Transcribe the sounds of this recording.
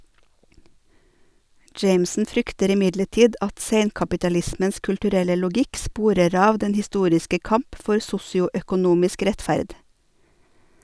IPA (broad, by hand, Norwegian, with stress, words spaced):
ˈd͡ʒeɪmsn̩ ˈfɾʏktəɾ ɪˈmɪdləˌʈiːd ˈɑt ˈseɪnkɑpɪtɑˌlɪsməns kʉlʈʉˈɾɛlə lʊˈɡɪk ˈspuːɾəɾ ˈɑːʋ ˈdɛn hɪˈstuːɾɪskə ˈkɑmp ˈfɔɾ ˈsʊsɪʊœkʊˌnuːmɪsk ˈɾɛtfæɾd